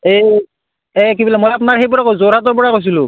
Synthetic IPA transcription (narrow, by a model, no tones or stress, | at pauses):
e | ɛkibilɛmojap̬ʊnaɹxejpɔɹakozoɹatɔɹpɔɹakojs̬ilʊ̃